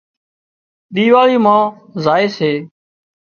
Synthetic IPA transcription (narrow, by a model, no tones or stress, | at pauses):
ɗ̪iːʋaːɭiːmãː | zaːeːseː